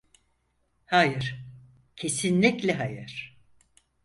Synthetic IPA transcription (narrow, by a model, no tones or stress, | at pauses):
hajɯɾ̥ | cʰe̞sinlʲiclʲɛɦajɯ̰ɾ̥